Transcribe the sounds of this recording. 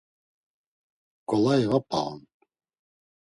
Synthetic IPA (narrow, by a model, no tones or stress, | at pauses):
kʼɔlaivapʼʰa̰ɔ̰n